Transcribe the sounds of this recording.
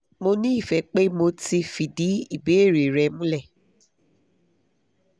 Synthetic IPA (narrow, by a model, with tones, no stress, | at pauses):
mo˧nĩ˦i˦˨fɛ˨˦k͡pe˦mo˧ti˧fi˨di˨˦i˦˨be˨˦e˦˨ɾe˨ɾɛ˧mũ˦lɛ˦˨